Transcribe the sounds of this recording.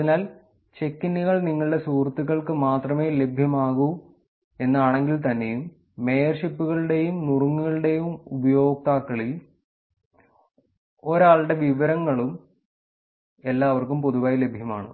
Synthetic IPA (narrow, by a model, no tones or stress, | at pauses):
ɐðinaːl | t͡ɕe̞kːiniɣɐɭniŋːɐɭɨɽe̞suːrt̪ːiɣɐɭkɨmaːt̪rɐme̞ːle̞bʱjɐmaːɣu | e̞nːaːɳe̞ŋɡilt̪ɐnːe̞jumː | e̞jɐrʂipːuɣɐɭɨɽe̞jumnuruŋːuɣɐɭɨɽe̞jumubɐjo̞ːk̚t̪aːkːɐɭi | oɾaːɭɽe̞ʋiʋɐɾɐŋːɐɭum | e̞lːaːʋɐrkumpoðuʋaːjile̞bʱjɐmaːɳɨ̰